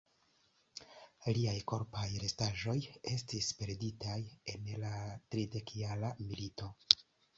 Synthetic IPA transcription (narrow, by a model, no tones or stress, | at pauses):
liajko̞ɾpajɾe̞staʒo̞je̞stispe̞ɾditaje̞nlatɾide̞kialamilito̞